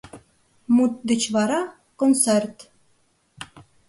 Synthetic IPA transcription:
mut̪̚d̪ɘ̆t͡ɕβɑɾɑ | konsert̪

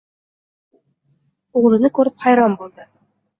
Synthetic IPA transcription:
uʁlˠɤ̆nɤkʉɾɘpχɑjɾɑmbulˠd̪ɤ

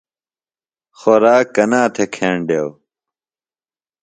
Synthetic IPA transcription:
xoɾaːkːɐnaːt̪ʰekʰeːɳɖew

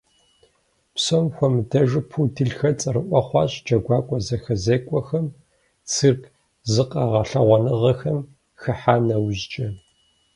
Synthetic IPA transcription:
psɐmxʷɔmdɐʒɨpʰuːdʰɨɬxɐt͡sʼɐrɨʔʷɔχʷɑːɕʼd͡ʒɐɡʷɑːkʷʼɔzɐxɐzeːkʷʼɔxɐm | t͡sʰɨrk | zɨqʼɐʁɐɬɐʁʷɔnɨʁɐxɐm | xɐħaːnɐwʑt͡ʃʼɐ

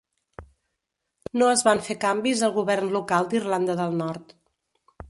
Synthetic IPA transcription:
noəzβanfekambizəlˠɣuβɛrnlukalˠd̪irland̪əðəlˠnɔɾt̪

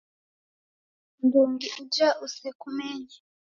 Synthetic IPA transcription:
nduːŋɡiʔud͡ʒaʔusekumeɲa

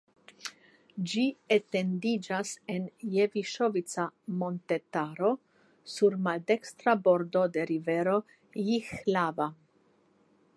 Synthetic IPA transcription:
d͡ʒiete̞ndid͡ʒase̞nje̞viʃovit͡samo̞nt̪e̞taɾo̞ | suɾmalde̞kst̪ɾabo̞ɾdo̞de̞ɾive̞ɾo̞ | jixlava

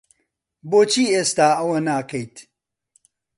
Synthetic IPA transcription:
boːt͡ʃʰiːeːst̪aːɐwɐnaːkʰɐjt̪

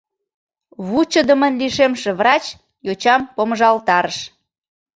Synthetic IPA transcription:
βut͡ɕəd̪ə̆mənliʃemʃeβrɑt͡ɕ | jot͡ɕɑmpoməʒɑlt̪ɑɾəʃ

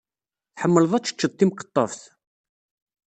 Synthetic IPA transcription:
θħəmːəlðˤæt͡sːə̥t͡ʃːət̪ˤːimqə̥t̪ˤːɑ̰fθ

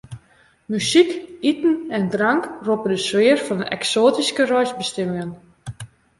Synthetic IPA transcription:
mysikitn̩ɛndraŋkropədəsʋɪːrfɔnənɛ̰ksoːtiskərɔjsbəstɪmɪŋən

